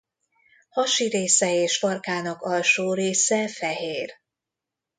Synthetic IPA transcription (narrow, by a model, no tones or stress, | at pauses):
hɒʃiɾeːsɛeːʃfɒrkaːnɒkɒlʃoːɾeːsɛfɛɦeːr